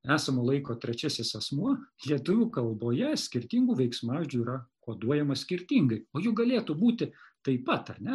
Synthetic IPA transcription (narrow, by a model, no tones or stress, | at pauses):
æːsɐmoːlˠɐɪkoːt̪ʲɾʲɛt͡ʃʲæsʲɪsɛsmuɔlʲiɛt̪ʊʋʲuːkɐlˠboːjɛsʲkʲɪɾʲt̪ʲiːŋɡuːʋʲɛɪksmɑːʋʲɪʒʲd͡ʒʲuiːɾɐkoːd̪uɔjɛmɐsʲkʲɪɾʲt̪ʲiːŋɡɐɪoːjʊɡɐlʲeːt̪ubuːt̪ʲɪt̪ɐɪpɐt̪ɐ̰rʲnʲɛ